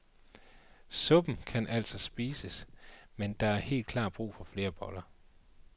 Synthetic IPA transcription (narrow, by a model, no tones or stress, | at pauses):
sɔ̽b̥n̩kʰænʔæl̰sɒ̽sb̥iːsəsmend̥ɑ̈æɐhe̝̰ːld̥̚kʰlɑ̈ːd̚b̥ʁṵːfɒ̽fle̝ːɐb̥ɒ̽lɐ